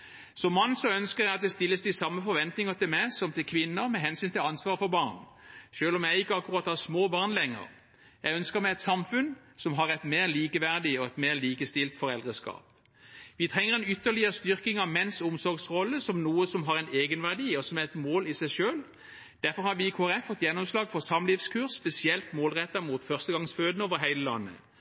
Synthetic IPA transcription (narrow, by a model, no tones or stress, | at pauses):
sɔmːɑnːsɔœnskəʁjæɪɑt̪̚d̪ɛst̪ɪlːəsd̪ɪsɑmːəfɔɾʋɛnt̪nɪŋəʁt̪ɪlmæɪsɔmt̪ʰɪlkʰʋɪnːəʁmɛɦɛnsyːnt̪ʰɪlɑnsʋɑːʁfɔbɑːʁn | ʃøːlɔmjæɪɪkːəɑkːʊʁɑːt̪ːhɑʁsmoːbɑːʁnlɛŋːə̰ʁ | jæɪœnskəʁmæɪɛt̪sɑmfʉnsɔmɦɑʁɛt̪meːʁliːkəʋæʁd̪ɪɔɛt̪meːʁliːkəst̪ɪlt̪fɔʁɛld̪ʁəskɑ̰ːp | ʋɪt̪ʰʁɛŋːəʁɛnʏt̪ːəʁlɪəʁəst̪ʏʁkɪŋɑmɛnsʊmsɔʁɡsʁɔlːəsɔmnuːəsɔmɦɑʁɛɪneːɡənʋæʁd̪iːɔsɔmæʁɛt̪moːlɪsæɪʃøːl | d̪̥æʁfɔʁhɑʋɪkʰoːæʁɛfːɔt̪ːjɛnːɔmslɑːɡfɔʁsɑmlɪfskʰʉʁsːpɛsɪɛlt̪moːlʁɛt̪ːɑmuːt̪fœʁst̪əɡɑŋsføːd̪ənəoːʋəʁɦæɪləlɑnːə̰